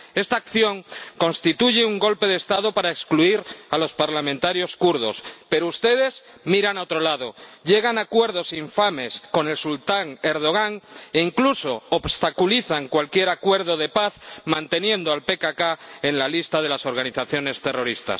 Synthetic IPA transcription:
e̞st̪aːkθjo̞ŋko̞nst̪it̪uʝe̞uŋɡo̞lpe̞ð̞est̪aðo̞paɾaekskluiɾalo̞spaɾlamẽnt̪aɾjo̞skuɾðo̞̰spe̞ɾoust̪e̞ð̞e̞z | miɾanaot̪ɾo̞laðo̞ʎe̞ɣ̞anakwe̞ɾð̞o̞siɱfame̞sko̞ne̞lsult̪aŋe̞ɾð̞o̞ɣ̞aŋeiŋkluso̞ːβst̪akuliθaŋkwalkje̞ɾakwe̞ɾð̞o̞ðe̞paθmãnt̪e̞njẽ̞nd̪oalpe̞kakae̞nlalist̪aðe̞laso̞ɾɣaniθaθjo̞ne̞st̪e̞ro̞ɾist̪a̰s

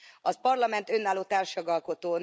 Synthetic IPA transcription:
ɒzpɒrlɒmɛnt̪ø̞nːaːloːt̪aːrʃjɒɡɒlko̞t̪oːn

